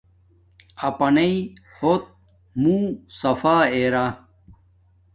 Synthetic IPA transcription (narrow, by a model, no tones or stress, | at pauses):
ɐpɐnɐi | hot̪̚ | mũːsɐfaːeɾa